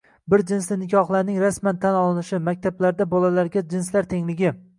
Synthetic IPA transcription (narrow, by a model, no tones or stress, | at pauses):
bɪɾd͡ʒɪnslɪnɪkʲʰɒχlˠaɾnɪŋɾasmant̪ʰanɒlˠɪnɪʃɪmak̚ʲt̪ʰablaɾd̪abɒlalaɾɡʲad͡ʒɪnslaɾt̪ʰe̞ŋlɪɡʲɪ